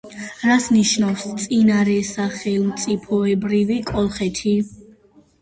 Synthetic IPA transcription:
ɾasniʃnafst̪sʼinaɾɛsaχɛlˠmt̪sʼipʰɔɛbɾivikʼɔlˠχɛt̪ʰi

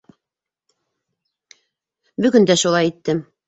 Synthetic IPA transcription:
bɵ̆ɡɵnd̪æʃulˠɑjit̪ːɘm

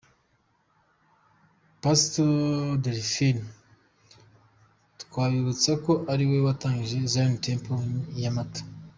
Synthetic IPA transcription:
pastodeɾifin | tu̥kaːβiβut͡sako̞ʔaɾiwewataːŋɡiʒe̞zaɾinitʰeːmpojamatḁ

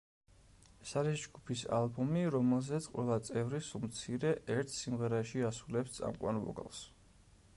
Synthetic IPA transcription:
ɛsaɾisd͡ʒɡupʰisa̰lˠbɔmiɾɔmɛlˠzɛt̪sʰqʼwʔɛ̰lˠat̪sʼɛvɾisumt̪sʰiɾɛʔɛɾt̪ʰsimʁɛɾaʃiasulɛpst̪sʼa̰mqʼwa̰nvɔ̰ɡa̰lˠs

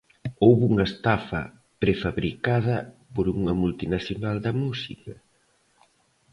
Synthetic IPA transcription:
owβuŋɐest̪afɐ̰ | pɾefaβɾikað̞ɐpoɾuŋɐmult̪inaθjonald̪ɐmusikɐ

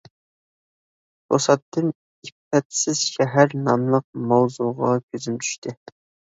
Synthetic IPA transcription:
o̰sɑt̪ʰːɨn | ipːɛt̪sɪz̥ʃɛɦæɾnɑmlˠəq̚mɑwzuʁɑkʲʰøzymt̪ʰy̥ʃt̪ʰɪ

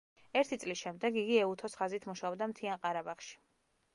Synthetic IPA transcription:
ɛɾt̪ʰit̪sʼlisʃɛmd̪ɛɡiɡiɛut̪ʰɔsχazit̪ʰmuʃaɔbd̪amt̪ʰianqʼaɾabaχʃi̥

